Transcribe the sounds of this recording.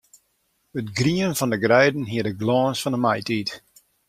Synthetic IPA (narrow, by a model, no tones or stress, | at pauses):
ətɡriənfɔndəɡrɛjdən̩ɦiədəɡlɔːnsfɔndəmajtit